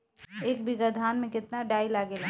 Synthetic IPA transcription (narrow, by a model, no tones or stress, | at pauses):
eːk̚bɪɡad̪ʱaːnmẽkɪt̪naɖaːilaːɡela